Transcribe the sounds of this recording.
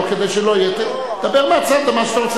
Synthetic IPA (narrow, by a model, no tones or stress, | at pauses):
ked̪ejʃelojɛt̪ | d̥̪abeʁmat͡sad̪amaʃet̪aʁot͡sɛ